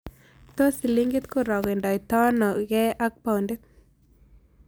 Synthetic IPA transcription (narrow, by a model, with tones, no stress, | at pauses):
t̪o˦si˨liŋɡɪ˦t̪ko˦ɾɔ˨ɡe˨ndɔ˨i˨t̪ɔ˦nɔ˨ɡɛ˦ʔa˦k̚pa˨wnde˦t̪̚